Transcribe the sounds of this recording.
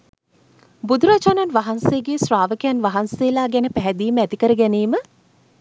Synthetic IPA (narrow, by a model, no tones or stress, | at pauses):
bud̪ʱuɾat͡ʃananʋaɦanseːɡeːsɾaːʋəkəjanʋaɦanseːlaːɡænəpæɦɛd̪iːməæt̪ikəɾəɡæneːmə